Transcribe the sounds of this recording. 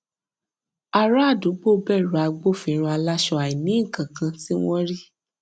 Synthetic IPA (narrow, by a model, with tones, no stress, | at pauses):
a˧ɾa˦˨du˨˦ɡ͡bo˦˧bɛ˦˨ɾu˨a˧ɡ͡bo˦˨fĩ˧˦ɾ̃ũ˧a˧la˦ʃɔ˧a˨i˨nĩ˨˦˨kã˨kã˧ti˦w̃ɔ̃˦ɾi˦